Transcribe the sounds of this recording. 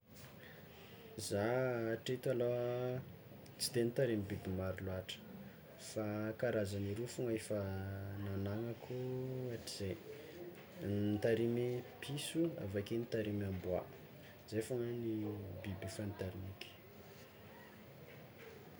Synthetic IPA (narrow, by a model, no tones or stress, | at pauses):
zaʈ͡ʂet̪alo | t͡si̥t̪enit̪aɾemibibimaɾiluaʈ͡ʂə̥ | fakaɾazaniɾufuŋaefənanaŋakʰuaʈ͡ʂi̥z̥e | t̪aɾimipʰisua̰vakenit̪aɾimambua̰ | z̥efoŋənibibifanit̪aɾinikʲi̥